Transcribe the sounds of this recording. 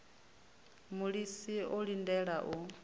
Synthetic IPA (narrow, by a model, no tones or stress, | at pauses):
muɺisiɔɺindɛɺaʔu